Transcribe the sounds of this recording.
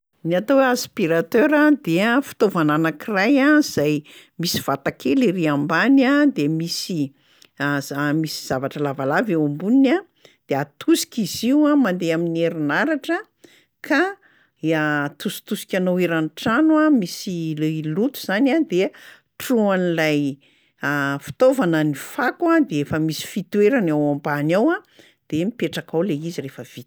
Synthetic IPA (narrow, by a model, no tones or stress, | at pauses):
niat̪oaspiɾat̪øɾad̪eafi̥t̪ovananakirajaiz̥aj | misiv̥at̪akʰeliriambanad̪emisi | misiz̥avaʈ͡ʂəlavalaveumbunna | d̪̥eat̪ʰusi̥kʲiziwamand̪eaminieɾinaɾaʈ͡ʂə | kʰa | at̪usi̥t̪usi̥kʲanoweɾanʈ͡ʂanwamisilelut̪u̥z̥anʲad̪e | ʈ͡ʂuanlaj | afi̥t̪ovanənifakwad̪eefəmisi̥fit̪weɾanawambanawa | d̪̥emipeʈ͡ʂakawleizirefəv̥it̪